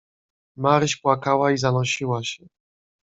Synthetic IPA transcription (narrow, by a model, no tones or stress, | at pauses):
maɾɕpwakawaizanɔɕiwaɕɛ